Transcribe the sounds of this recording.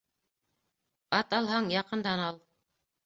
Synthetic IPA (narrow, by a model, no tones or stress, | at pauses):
ɑt̪ɑlˠɦɑɴjɑqɤ̆nd̪ɑnɑlˠ